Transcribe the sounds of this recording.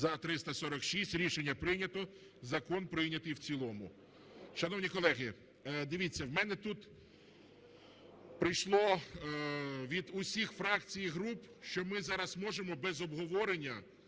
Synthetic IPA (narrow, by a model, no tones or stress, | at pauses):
zɐt̪ɾɪst̪ɐsɔɾɐkʃisʲtʲɾʲiʃenʲːɐpɾɪjnʲɐt̪ɔ | zɐkɔnpɾɪjnʲɐt̪ɪjwt͡sʲilˠɔmʊ | ʃɐnɔwnʲikɔlˠɛɦɪ | d̪ɪʋʲit͡sʲːɐwmɛnɛt̪ut̪ | pɾɪjʃlˠɔ | ʋʲid̪ʊsʲixfɾɑkt͡sʲijiɦɾupʃt͡ʃɔmɪzɑɾɐsmɔʒemɔbɛzɔbɦɔʋɔɾenʲːɐ